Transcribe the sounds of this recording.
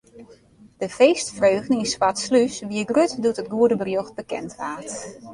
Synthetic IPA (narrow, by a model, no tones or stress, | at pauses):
d̥əfeːstfrøːɣdn̩insʋatslysʋiəɡrøtdutət̚ɡuədəbərjoxt̚bəkɛ̰ntʋaːt